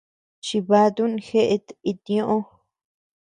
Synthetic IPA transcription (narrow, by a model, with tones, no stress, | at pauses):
t͡ʃi˧βa˧t̪u˦n˧xe˦ʔe˧t̪i˧t̪ĩ˧õ˧ʔõ˦